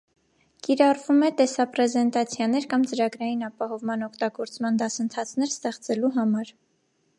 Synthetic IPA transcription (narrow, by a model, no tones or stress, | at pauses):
kiɾɑrvumɛt̪ɛsɑpɾɛzɛnt̪ɑt͡sʰjɑn̪ɛɾkɑmt͡səɾɑɡɾɑjinɑpɑɦɔvmɑnɔkʰt̪ɑɡɔɾt͡smɑnd̪ɑsənt̪ʰɑt͡sʰn̪ɛɾst̪ɛχt͡sɛluɦɑmɑɾ